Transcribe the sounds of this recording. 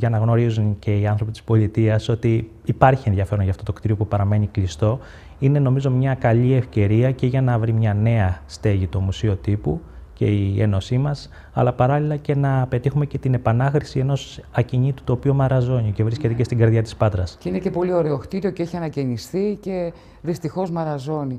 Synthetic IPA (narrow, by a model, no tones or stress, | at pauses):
ʝɐnɐɣno̞ɾizunce̞iɐnθɾo̞pit̪i̥spo̞lit̪iɐso̞t̪iː | pɐɾçienðʝɐfe̞ɾo̞nʝɐft̪o̞t̪okt̪iɾio̞pupɐɾɐme̞ɲiklist̪o̞ | ine̞no̞mizo̞mɲɐkɐʎie̞fce̞ɾiɐceʝɐnɐvɾimɲɐne̞ɐst̪e̞ʝit̪o̞musio̞t̪ipuce̞̰iḛno̞simɐs | ɐ̰lɐpɐɾɐlilɐce̞nɐpe̞t̪ixume̞ce̞t̪ine̞pɐnɐxɾisie̞no̞sɐciɲit̪u̥t̪opio̞mɐɾɐzo̞nice̞vɾisce̞t̪ecest̪iɡɐɾðʝɐt̪i̥spɐt̪ɾɐsceinece̞po̞lio̞ɾe̞oxt̪iɾio̞ceeçiɐnɐcenisθice̞ | ðist̪ixo̞zmɐɾɐzo̞ni